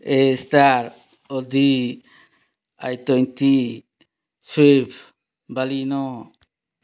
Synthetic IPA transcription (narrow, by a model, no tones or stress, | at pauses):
est̪aɾ | ɔd̪i | a̰jt̪ɔjnt̪i | sipʰ | balinɔ